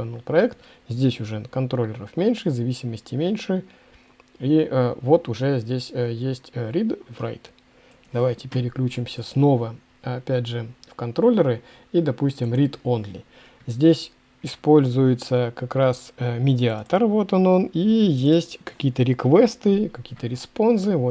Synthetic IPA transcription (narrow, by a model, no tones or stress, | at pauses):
onulˠpɾɐɛkt̪ | zʲdʲesʲʊʐɛnəkɐnt̪ɾo̞lʲːɪɾəfmʲenʲʂɨzɐvʲisʲɪməsʲtʲɪmʲenʲʂɨ | iəvo̞t̪ʊʐɛzʲdʲesʲjesʲtʲɾʲid̪vra̰jt̪ | d̪̥ɐvajtʲɪpʲɪɾʲɪklʲut͡ɕɪmsʲəsno̞və | ɐpʲædʲʐɨfkɐnt̪ɾo̞lʲːɪɾɨ | id̪ɐpusʲtʲɪmɾʲit̪onlʲɪ̰ | zʲdʲesʲ | ɪspo̞lʲzʊjɪt̪səkɐkɾasəmʲɪdʲɪat̪ərvo̞t̪ono̞nijesʲtʲkɐ̥kʲijət̪əɾʲɪkvɛst̪ɨkɐkʲijət̪əɾʲɪspo̞nzɨvo